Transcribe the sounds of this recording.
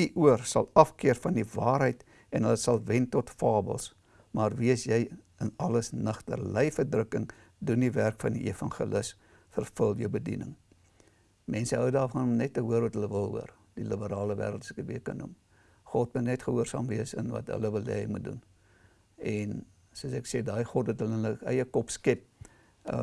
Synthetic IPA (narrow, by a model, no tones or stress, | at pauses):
iʔuərsɐlˠɐfkiərfɐndivɑːɾɦəjt | ɛnɦələsɐlˠvɛntɔtfɑːbə̰lˠs | mɑːrviəsjɛj | ənɐləsnəχtə̰rlɛjfərdrəkəŋ | dundiværkfɐndiʔefɐnχḭləs | fərfəlˠjəwbədḭnə̰ŋ | mɛnsəɦəwdɑːrfɐnɔmnɛtːəɦuərvɐtɦələvəlˠɦṵər | d̥iləbəɾɑːləvæ̰ːɾəlˠtsɛkəviəkɐnːum | χɔtmutnɛtχəɦuərsɑ̰ːmviəsə̰nvɐ̰tɦə̰ləvəlːɛ̰jmut̚dṵn | ɛn | suəsækseːdɑːjχɔt̚dətɦələənəʔəjəkɔpskɛp̚